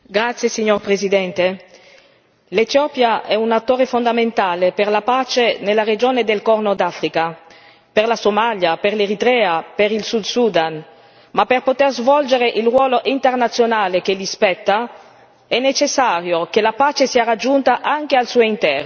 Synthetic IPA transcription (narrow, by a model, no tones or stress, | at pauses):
ɡɾat̪sːjesiɲːorpɾezid̪ɛnt̪e | let̪jɔpjaɛunat̪ːoːɾefond̪ament̪aːleperlapaːt͡ʃenelːaɾed͡ʒoːned̪elkɔrnod̪afɾika | perlasomaljaperleɾit̪ɾɛapeɾilsud̪sud̪an | mapːerpot̪erzvɔld͡ʒeɾeʔilrwɔːloʔint̪ernat̪sːjonaːlek̟elispɛt̪ːa | ɛnːet͡ʃesːaːɾjokelapaːt͡ʃesiːaɾad͡ʒːunt̪aʔaŋk̟ealsuoint̪ɛɾ